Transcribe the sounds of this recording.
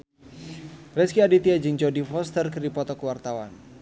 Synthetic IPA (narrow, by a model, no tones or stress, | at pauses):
rɛskiadit̪iad͡ʒɨŋt͡ʃɔdifɔst̪ərkəripɔt̪ɔkəwart̪awa̰n